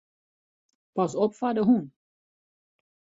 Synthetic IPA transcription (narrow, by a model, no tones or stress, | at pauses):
pɑsɔpfadəɦun